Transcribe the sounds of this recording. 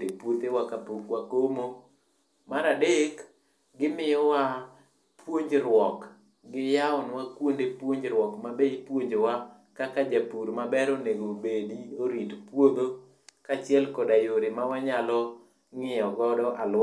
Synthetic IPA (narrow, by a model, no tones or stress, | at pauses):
ɾepwot̪ewakapokwakomo | maɾadek | ɡɪmɪjɔwa | pwoɲd͡ʒɾwɔk | ɡɪjaɔnwakwondepwoɲd͡ʒɾwɔkmabeipwoɲd͡ʒowa | kakad͡ʒapuɾmabɛɾoneɡobedioɾitpwod̪o | kat͡ʃɪɛlkɔdajoɾemawaɲalɔ | ŋɪjɔɡɔdɔʔal